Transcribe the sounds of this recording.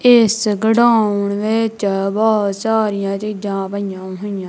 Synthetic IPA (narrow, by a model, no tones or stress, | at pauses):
ɪsɡəɽaːʊɳʋet͡ʃbɔːt̪saːɾɪjãːt͡ʃiːd͡ʒãːpəɪjãːɦʊijãː